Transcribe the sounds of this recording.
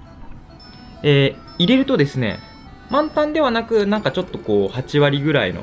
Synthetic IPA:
eː | iɾe̞ɾɯ̟t̪o̞d̪e̞sɨne̞̰ | mãnt̪ãnd̪e̞β̞anakɯ̟nãŋkat͡ɕo̞t̪ːo̞ko̞ːhat͡ɕiβaɾʲiɡɯ̟ɾaḭno̰

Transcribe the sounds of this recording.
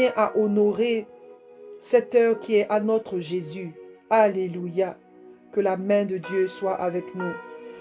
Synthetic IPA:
ɛ̃ʔaʔɔnɔʁe | sɛt̪œːʁkʲiɛʔanɔt̪χəʒezyaleluja | kəlamɛ̃d̪əd̪jøswaʔavɛknu

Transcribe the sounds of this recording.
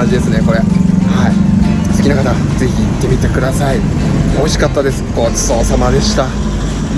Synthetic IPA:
d͡ʑid̪e̞sɨne̞ko̞ɾe̞haisɨ̥kʲinakat̪aze̞çiːt̪ːe̞mʲit̪e̞kɯ̟d̪asai | o̞iɕi̥kat̪ːad̪e̞sɨ̥koːi̥soːsamad̪e̞ɕi̥t̪a

